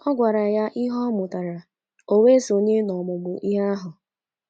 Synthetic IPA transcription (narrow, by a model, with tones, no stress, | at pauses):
ɔ˦ɡʷa˨ɾa˨ja˦ʔi˦ɦɔ˦mʊ˨ta˨ɾa˨ | o˦we˦so˨ɲe˦nɔ˨mʊ˨ɡ͡bʊ˨ʔi˦ɦa˦ɦʊ˨